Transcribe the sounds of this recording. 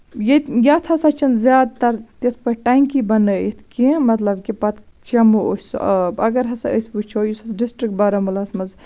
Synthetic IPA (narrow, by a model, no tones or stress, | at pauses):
jejʲat̪ʰɐsɐt͡ʃʰɐnzjaːd̪̚t̪ɐɾt̪it̪ʰpɐʈaŋkibɐnəit̪ʰkimɐt̪lɐbkipɐt̪ | t͡ʃɐmuosɐbɐɡɐɾɦɐsɐəsʲput͡ʃʰoːjusɐsɖisʈɾik̚ʈ̚bɐɾɐmulɐsmɐz